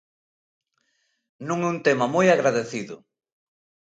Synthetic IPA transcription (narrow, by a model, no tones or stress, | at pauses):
nũŋɛunt̪emɐmojaɣɾaðeθiðʊ